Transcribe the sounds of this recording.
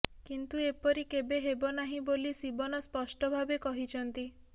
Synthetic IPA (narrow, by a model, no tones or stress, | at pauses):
kint̪uepɔɾikebeɦebɔnaɦĩbolisibɔnɔspɔsʈɔbʱabekɔɦit͡ʃʰɔnt̪i